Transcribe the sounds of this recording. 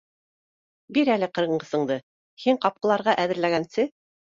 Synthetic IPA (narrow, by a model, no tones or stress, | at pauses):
biɾælɘqɤ̆ɾɤ̆ɴɢɤ̆sɤ̆ɴd̪ɤ | hiɴqɑp̚qɤ̆lˠɑɾʁɑʔæðɘ̆ɾlæɡænsɘ